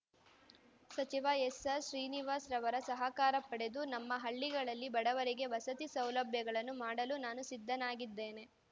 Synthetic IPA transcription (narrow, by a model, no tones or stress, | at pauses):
sɐt͡ʃiʋaesɐʃɾiːniʋaːsɾɐʋɐɾɐsɐɦɐkaːɾɐpːɐɽe̞d̪unɐmːɐɦɐɭːiɡɐɭɐlːibɐɽɐʋɐɾiɡe̞ʋɐsɐt̪isɐwlɐbʱjɐɡɐɭɐnːumaːɽɐlunaːnusid̪ʱːɐnaːɡid̪ːe̞ːne̞